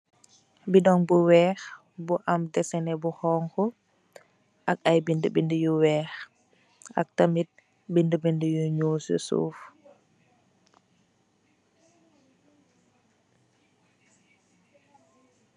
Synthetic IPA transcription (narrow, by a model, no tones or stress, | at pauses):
bidɔŋbuwɛːx | buʔamdɛsɛnɛbuhɔːŋkɔ | ʔakajbindəbindəjuwɛːx | a̰k̚tamit̚ | bindəbindəjuɲuːsṵsṵf